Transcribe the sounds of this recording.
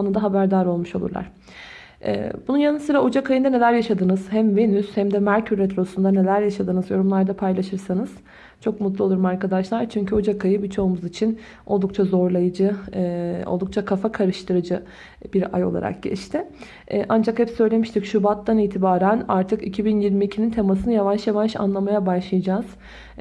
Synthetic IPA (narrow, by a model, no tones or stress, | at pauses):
nɯnd̪aɦabæɾd̪aɾo̞lˠmuʃo̞lˠṵɾlˠa̰ɾ̥ | ʔɛ̰ːbununjanɯsɯɾaod͡ʒakʰajɯnd̪ane̞lʲæɾjaʃad̪ɯnɯz̥hæmve̞nyshæmd̪ɛmæɾcʰyɾet̪ʰɾo̞sund̪ane̞lʲæɾjaʃad̪ɯnɯzjo̞ɾumlˠaɾd̪apʰajlˠaʃɯɾsanɯz̥ | t͡ʃʰo̞kmut̪̬lˠuo̞lˠuɾumaɾkad̪aʃlˠaɾt͡ʃʰyɲcʰyod͡ʒakʰajɯbit͡ʃʰo̞umuzit͡ʃʰin | o̞lˠd̪uk̚t͡ʃʰazo̞ɾlˠajɯd͡ʒɯ | o̰lˠd̪ukt͡ʃʰakʰafakʰaɾɯʃt̪ʰɯɾɯd͡ʒɯ | b̥iɾa̰jo̞̰lˠa̰ɾʔa̰k̚ɟɛ̰t͡ʃt̪ʰɪ | ɛʔand͡ʒakhɛpsø̞jlʲe̞miʃt̪ʰicʃubat̪ːaniːt̪ʰibaːɾæna̰ɾt̪ʰɯkicʰibinjiɾmiːcʰinint̪ʰe̞masɯnɯjavaʃjavaʃa̰nlˠamajabaʃlˠajad͡ʒaːz̥